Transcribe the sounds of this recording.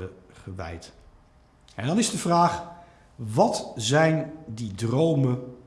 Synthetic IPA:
ə | χəʋɛ̰jt | ɛndɑnɪzdəvraːχ | ʋɑtzɛjndidrowmə

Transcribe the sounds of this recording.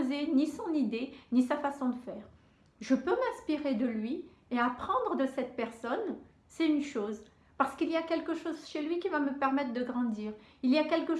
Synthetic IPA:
zenisɔ̃nid̪enisafasɔ̃d̪əfɛːʁ | ʒəpømɛ̃spiʁed̪əlɥi | eapχɑ̃d̪ʁəd̪əsɛt̪̚pɛʁsɔn | sɛt̪ynʃoz | paʁsə̥kilijakʲɛlkəʃozʃelɥikʲivaməpɛʁmɛt̪χd̪əɡʁɑ̃d̪iːʁ | iliakʲɛlkə

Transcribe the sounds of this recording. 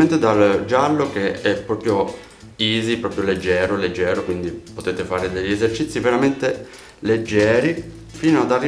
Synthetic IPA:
ent̪ed̪ald͡ʒalːokeɛpːɾɔːpɾjo | iːzipɾɔːpɾjoled͡ʒːɛːɾoled͡ʒːɛːɾokwind̪ipot̪eːt̪efaːɾed̪eʎːiezert͡ʃit̪sːiveɾament̪e | led͡ʒːɛːɾi | fiːnoad̪arːi

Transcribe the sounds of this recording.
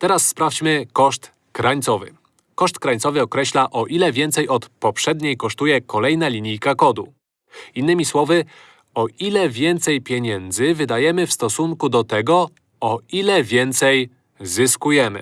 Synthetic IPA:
t̪ɛɾasːpɾaft͡ɕmɘkɔʂt̪ | kɾaɲt̪sɔvɘ̰ | kɔʂt̪kɾaɲʲtsɔvɘɔkɾɛɕlaʔɔʔilɛvʲjɛnt̪sɛjɔt̪pɔpʂɛd̪ɲejkɔʂt̪ujɛkɔlɛjnalʲiɲijkakɔd̪ṵ | inːɘmʲiswɔvɘ | ɔʔilɛvʲjɛnt̪sɛjpʲjeɲɛnd̪zɘvɘd̪ajɛmɘfst̪ɔsuŋkud̪ɔt̪ɛɡɔ | ɔilɛvʲjɛnt̪sɛj | zɘskujɛmɘ̰

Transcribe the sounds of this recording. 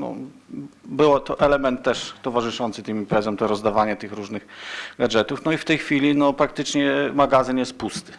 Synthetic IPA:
nɔ̰ | bɘwɔt̪ɔʔɛlɛmɛnt̪ːɛʂt̪ɔvaʐɘʂɔnt̪sɘt̪ɘmimpɾɛzjɔmt̪ɔɾɔzd̪avaɲɛt̪ɘxɾuʐnɘxɡad͡ʐɛt̪ufnɔift̪ɛjxfʲilʲinɔpɾak̚t̪ɘt͡ʂɲɛmaɡazɘnjɛst̪̚pust̪ɘ̥

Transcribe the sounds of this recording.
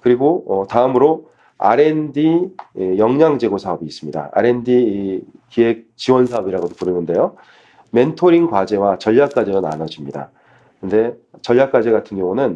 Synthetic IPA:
kɯɾiɡoʌtaɯmɯɾo | a̰ɾe̞ndijʌŋɲaŋd͡ʑe̞ɡosʰaʌbiːs͈ɯmɲida̰a̰ɾe̞ndikie̞k̚t͡ɕiwʌnsʰaʌbiɾaɡodopuɾɯnɯnde̞jo | me̞ntʰoɾiŋkwad͡ʑe̞wat͡ɕʌʎːjak̚k͈ad͡ʑe̞dona̰nʌd͡ʑimɲida̰ | ɯnde̞t͡ɕʌʎːak͈ad͡ʑe̞ɡatʰɯnɡjʌŋunɯn

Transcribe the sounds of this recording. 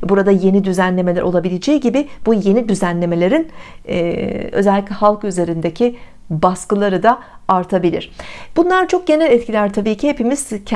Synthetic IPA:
buɾad̪aje̞nid̪yzænlʲe̞melʲæ̰ɾʔo̞lˠabilʲed͡ʒejiɟibɪbuje̞nid̪yzænlʲe̞me̞lʲe̞ɾin | ø̞̰zɛlʲːic̬ʲlʲɛhalˠkyze̞ɾind̪ecʰi | baskɯlˠaɾɯd̪aaɾt̪ʰabilʲḭɾ̥b̥unlˠaɾt͡ʃʰo̞k̚ɟe̞nælʲɛt̪cʰilʲæɾt̪ʰabiːcʰihe̞pimiz̥cʰ

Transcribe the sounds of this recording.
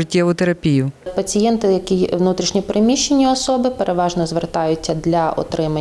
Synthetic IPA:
ɪtʲːɛʋʊt̪eɾɐpʲijʊpɐt͡sʲijɛnt̪ɪjɐkʲiʋnut̪ɾʲiʃnʲipɾɪmʲiʃːenʲːiɔsɔbɪpeɾʔeʋɑʒnɔzʋert̪ɑjʊtʲːɐd̪lʲɐɔ̰t̪ɾɪmɐ

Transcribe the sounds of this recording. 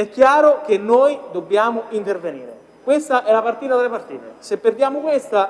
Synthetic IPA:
ɛkːjaːɾʊk̟enːojd̪obːjaːmʊint̪erveniːɾe | kwest̪aʔɛlːapart̪iːt̪ad̪elepart̪ḭːt̪esepːerd̪jaːmʊkwest̪a

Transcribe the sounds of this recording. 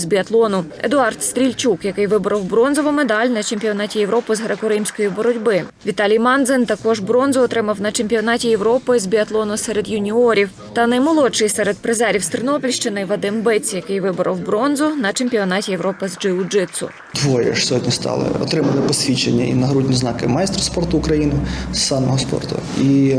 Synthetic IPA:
zbʲiɐt̪lˠɔnʊed̪ʊɑrt̪st̪ɾʲilʲt͡ʃukjɐkɪjʋɪbʊɾɐwbɾɔnzɔʋʊmed̪ɑlʲnɐt͡ʃemʲpʲiɔnɑtʲijeʋɾɔpʊzɦɾekʊɾɪmsʲkɔjibɔɾɔdʲbɪʋʲit̪ɑlʲijmɑnd̪zɪnt̪ɐkɔʒbɾɔnzʊːt̪ɾɪmɐwnɐt͡ʃemʲpʲiɔnɑtʲijewɾɔpɪzbʲiɐt̪lˠɔnʊsɛɾed̪jʊnʲiɔɾʲiw | t̪ɐnɐjmɔlˠɔt͡ʃɪjsɛɾed̪̚pɾezɛɾʲiwst̪ɾɪnɔpʲilʲʃt͡ʃɪnɪʋɐd̪ɪmbɪt͡sʲjɐkɪjʋɪbɔɾʔɐ̰wbɾɔnzʊnɐt͡ʃemʲpʲiɔnɑtʲijewɾɔpɪzd͡ʒɪʊd͡ʒɪt̪sʊ̰ | d̪ʋɔjɛ̰ʂsʲɔɦɔdʲnʲist̪ɑ̰lˠɪ̰ɔ̰t̪ɾɪmɐlˠɪpɔsʲʋʲit͡ʃḛnʲːɐ̰ḭnɐɦɾudʲnʲiznɑkɪ̰mɑjst̪ɾɔspɔrt̪ʊːkɾɐjinɪsːɑmɔɦɔspɔ̰rt̪ʊ̰i

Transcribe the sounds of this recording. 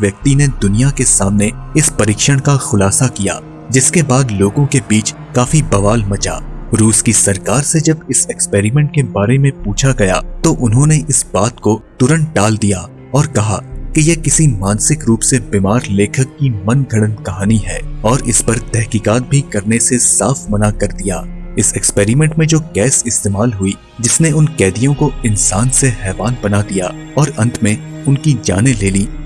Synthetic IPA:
ʋjɐk̚t̪ined̪ʊnijakesaːmneɪspɐɾiːkʃəɽ̃kaxʊlaːsakija̰ː | d͡ʒɪskebaːd̪loːɡõkebiːt͡ʃ | kaːfibɐʋaːlmɐt͡ʃa̰ːɾuːskisɐɾkaːɾsed͡ʒɐbɪsɛkspeːɾimɛ̃ːɳʈ̚kebaːɾemẽpuːt͡ʃʰaɡɐja̰t̪oʔʊnɦõneʔɪsbaːt̪kot̪ʊɾə̃ɳɖaːld̪ijaː | ɔːɾkɐɦa̰kijekɪsimãːnsɪkɾuːpsebiːmaːɾleːkʰəkːimɐ̃nɡʱɐɽənkɐɦaːniɦɛːɔːɾɪspɐɾt̪ɛɦkiːkaːt̪̚bʱikɐɾnesesaːfmɐnakɐɾd̪ija̰ːɪsɛkspeːɾimɛ̃ːɳʈmẽd͡ʒoːɡɛːsɪst̪eːmaːlɦʊi | d͡ʒɪsneʊnkɛːd̪ijõkoɪnsaːnseɦɛːbaːnbɐnad̪ija̰ː | ɔːɾɐ̃nt̪ʰmẽ | ʊnkid͡ʒa̰ːneleːliː

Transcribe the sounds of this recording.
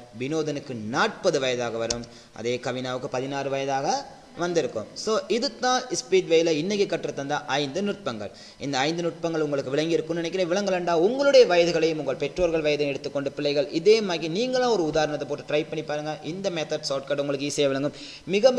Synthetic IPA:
ʋɪnoːðɐnɯkːɯnaːʈ̚pɐðɯʋɐjɐðaːɣɐʋɐɾɯm | ɐ̰ðeːkɐʋɪnaːʋɯkːɯpɐðɪnaːɾɯʋɐjɐðaːɣɐ | ʋɐnd̪ɪɾɯkːɯ̰msoːʔɪðɯt̪ːãːɪspiːʈʋɐjlɐɪnːɐɣikːɐʈːɪɾɯt̪ːɐnd̪ɐʔɐɪnd̪ɯnʊʈ̚pɐŋɡɐ̰ɭ | ɪ̰nd̪ɐːɪnd̪ɯnʊʈ̚pɐŋɡɐɭʊŋɡɐɭɯkːɯʋɪɭɐŋɡɪɾɯkːɯmnɪnɛkːɪɾɐʋɪɭɐŋɡɐɭɐɳɖaːʊŋɡɐɭɯɽɐjɐʋɐjɐðɯɣɐɭɐjɯmʊŋɡɐɭpɛʈroːɾɣɐɭʋɐjɐðɐjmɛɽɯt̪ːɯkːɔɳɖɯpɪɭːɐɪɣɐɭɪðeːmaːɣiniːŋɡɐɭãːɔɾɯʊðaːɾɐɳɐt̪ːɐpːoːʈːɯʈɾɐɪpɐɳːipaːɾɯŋɡɐʔɪnd̪ɐmɛt̪ɐɖsoːʈ̚kɐʈʊŋɡɐɭɯkːɯiːsɐjɐʋɪɭɐŋɡɯmː | ɪɣɐ

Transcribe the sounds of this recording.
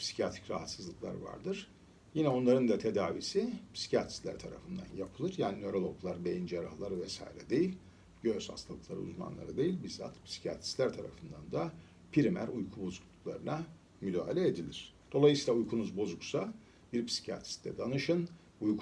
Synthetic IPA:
pʰsi̥cʰiat̪ʰɾi̥cɾaɦat̪sɯzlˠɯklˠa̰ɾva̰ɾd̪ɯɾ̥ | jinɛo̞nlˠaɾɯnd̪at̪ʰe̞d̪aːvḭsipʰsi̥cʰat̪ʰɾi̥slʲæ̰ɾt̪ʰaɾa̰fɯnd̪a̰njapʰɯlˠɯɾjaːninø̞ɾo̞lˠo̞ɡlˠaɾbejind͡ʒaɾa̰hlˠaɾɯvɛsa̰ːiɾɛd̪e̞jilʲ | ɟøz̥ha̰st̪ʰalˠɯklˠaɾɯ̰ṵzma̰nlˠa̰ɾɯd̪e̞jilʲbiɾza̰t̪pʰsi̥cʰia̰t̪ʰɾi̥slʲæɾt̪ʰaɾa̰fɯnd̪and̪a | pʰiɾimæ̰ɾujkʰubo̞zuklˠukʰlˠaɾɯna | myd̪aːɦalʲɛed̪ilʲiɾ̥d̪̥o̞lˠajɯsiːlˠaujkʰunuzbo̞zuksa | biɾpʰi̥si̥cʰia̰t̪ʰɾi̥st̪ɛ̰d̪anɯʃɯn | uj

